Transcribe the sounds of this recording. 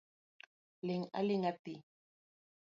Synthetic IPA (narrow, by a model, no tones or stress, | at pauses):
lɪŋa̰lɪŋat̪i